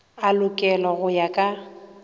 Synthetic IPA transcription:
alʊkʼɛlɔɣʊjakʼa

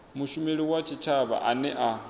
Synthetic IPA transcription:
muʃumeɺiwat͡ʃʰit͡ʃʰaβa̰ʔanɛʔa

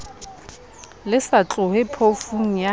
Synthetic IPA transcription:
lɪsat͡ɬʼʊɦepʰofuŋ̩ja

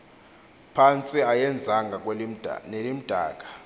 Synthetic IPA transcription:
pʰant͡sʼiajɛnd͡zʱaŋɡʱak̬ʼwnelim̩d̥ʱa̰ːk̬ʼḁ

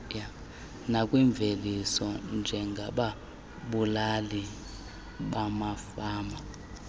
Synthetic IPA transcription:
ja | nakʼwiɱb̪vʱelisɔnd͡ʒʱɛŋɡʱaɓa | ɓulali | ɓamafaːma

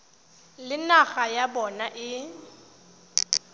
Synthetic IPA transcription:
lɪnaɣajabɔnaʔɪ

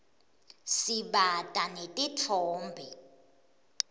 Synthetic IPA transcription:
siɓatʼanetʼitʰɔːmbʱɛ

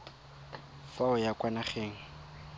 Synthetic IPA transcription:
faʊjakwanaχeːŋ̩

